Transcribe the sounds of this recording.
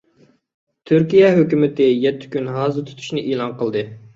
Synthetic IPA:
t̪ʰyɾkʲijɛɦøkʲymɪt̪ɪjɛt̪ʰːɪ̥kʲynɦɑːzɨɾt̪ʰu̥t̪ʰu̥ʃnɨʔeːlˠɑnqəlˠd̪ɨ

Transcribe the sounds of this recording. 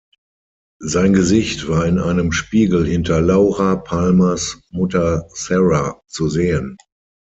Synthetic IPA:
zaɪnɡəzɪçtv̥aːɐɪnaɪnəmʃpiːɡl̩hɪntɐlaʊʁapʰalmasmʊtɐsɛʁat͡suzeːən

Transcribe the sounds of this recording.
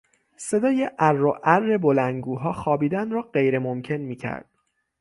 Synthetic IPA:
se̞d̪ɒːjeʔærːoʔærːe̞bolænɡuːɦɒːxɒːbiːd̪ænrɒːɢe̞jɾemomcʰe̞nmiːcʰæ̰ɾd̪̥

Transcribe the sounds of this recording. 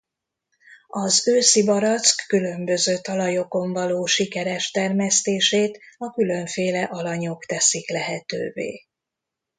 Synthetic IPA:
ɒzøːsibɒɾɒt̪skːylø̞mbø̞zøːt̪ɒlɒjo̞ko̞ɱvɒloːʃikɛɾɛʃt̪ɛrmɛst̪eːʃeːt̪ɒkylø̞ɱfeːlɛʔɒlɒɲo̞kt̪ɛsiklɛɦɛt̪ø̰ːvḛː

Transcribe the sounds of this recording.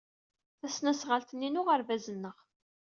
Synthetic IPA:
θæsnæsʁəlt̪ənːinʊʁəɾvæzənːəʁ

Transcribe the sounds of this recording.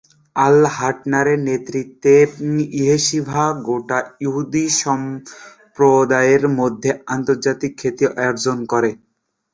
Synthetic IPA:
alɦaʈnaɾenet̪ɾit̪ːeiɦeʃibʱaɡoʈajuɦud̪iʃɔm | pɾod̪aeɾmod̪ʱːeant̪oɾd͡ʑat̪ikʰːet̪ioʔaoɾd͡ʑonkɔɾe

